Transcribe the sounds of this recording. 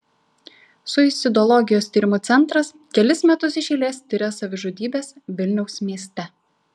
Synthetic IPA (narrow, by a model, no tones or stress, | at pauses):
sʊɪsʲɪd̪ɔlˠɔɡʲɪjoːst̪ʲiːɾʲɪmʊt̪sʲɛnˑt̪ɾɐs | kʲɛlʲɪsmʲɛt̪ʊsɪʃʲɛɪlʲeːsʲt̪ʲɪɾʲɛsɐʋʲɪʒoːd̪ʲiːbʲeːsʋʲɪlʲnʲɛʊsmʲiɛsʲt̪ʲɛ